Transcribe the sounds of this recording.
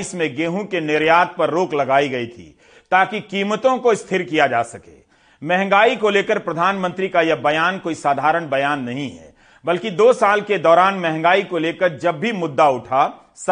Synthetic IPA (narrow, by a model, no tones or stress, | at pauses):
smẽɡeːɦũkenɪɾjaːt̪̚pɐɾːoːklɐɡaːiɡɐit̪ʰḭː | t̪aːkikiːmət̪õkoɪst̪ʰɪɾkijad͡ʒaːsɐkḛː | mɛɦɛ̃ŋ̆ɡaːikoleːkəɾpɾɐd̪ʱaːnmə̃nt̪ɾikajɐbɐjaːnkoːisaːd̪ʱaːɾəɽ̃bɐjaːnːɐɦĩɦɛ̰ | bɐlkid̪oːsaːlked̪ɔːɾaːnmɛɦɛ̃ŋ̆ɡaːikoleːkəɾd͡ʒɐbːʱimʊd̪ːaʊʈʰa | s